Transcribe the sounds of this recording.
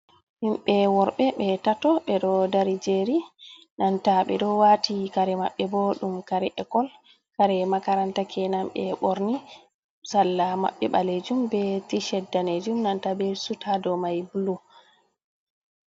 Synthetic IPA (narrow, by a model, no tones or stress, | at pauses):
himɓɛwɔɾɓɛɓɛtatɔɓɛɗɔdaɾid͡ʒeɾi | nantaɓɛɗɔwatikaɾɛma̰ɓːɛboɗumkaɾɛʔɛkɔl | kaɾɛmakaɾantakʰɛnamɓɛɓɔɾni | salːama̰ɓːɛɓaled͡ʒumbɛtiʃɛdːaned͡ʒumnantabɛsutʰadɔmajbulu